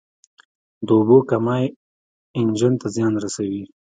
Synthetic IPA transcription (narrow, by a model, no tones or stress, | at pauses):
d̪əʊbokamɑj | ɪnd͡ʒənt̪azjɑnɾasawi